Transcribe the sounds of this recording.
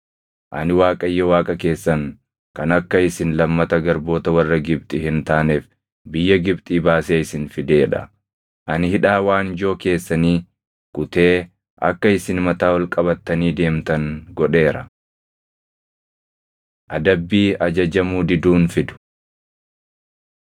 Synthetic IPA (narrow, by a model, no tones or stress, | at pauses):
ʔɐ̰nɪwaːkʼɐjːɐwaːkʼɐke̞ːsːɐŋ | kɐnɐkːɐɪsɪnlɐmːɐt̪ɐɡɐɾbo̞ːt̪ɐwɐrːɐɡɪb̚t̪ʼɪhɪnt̪aːneːf | bɪjːɐɡɪbt̪ʼiːbaːseːɪsɪnfɪd̪e̞ːᶑɐ̰ | ʔɐnɪhɪᶑaːwaːnd͡ʒo̞ːke̞ːsːɐniː | kʊt̪e̞ː | ʔɐ̰kːɐɪsɪnmɐt̪aːwɐlkʼɐbɐt̪ːɐniːd̪e̞ːmt̪ɐŋɡɔᶑe̞ːɾɐ | ʔɐd̪ɐbːiːɐd͡ʒɐd͡ʒɐmuːd̪ɪd̪uːnfɪd̪ʊ̥